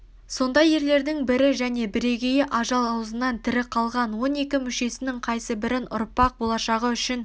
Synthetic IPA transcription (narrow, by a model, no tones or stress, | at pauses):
so̞nd̪ɑje̞ɾle̞ɾd̪ɪŋbɪɾɪʒæne̞bɪɾe̞ɡʲejɪʔɑʒɑlˠɑwzənɑnt̪ʰɪɾɪqʰɑlˠʁɑnwo̞ne̞kʲɪmʏʃe̞sɪnɪŋqʰɑjsəbɪɾɪnʔʊ̰ɾpɑq̚bo̞lˠɑʃɑʁəʏʃɪn